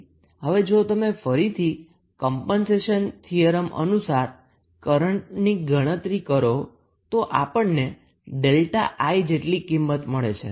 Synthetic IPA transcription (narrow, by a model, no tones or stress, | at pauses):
ɦəʋed͡ʒot̪əmefəɾit̪ʰi | kɔmpənseʃənt̪ʰijəɾəmə̰nusaɾ | kəɾəɳʈ̚niɡəɽ̃ət̪ɾikəɾo | t̪oʔapəɳne | ɖelʈa̰ʔajd͡ʒeʈlikimːət̪məɭḛt͡ʃʰḛ